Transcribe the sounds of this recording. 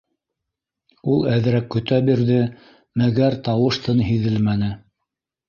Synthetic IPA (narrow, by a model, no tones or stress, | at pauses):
ulˠæðɘ̆ɾækːɵ̆t̪æbiɾðɘ | mæɡæɾt̪ɑwɤ̆ʃt̪ɤnɦiðɘlmænɘ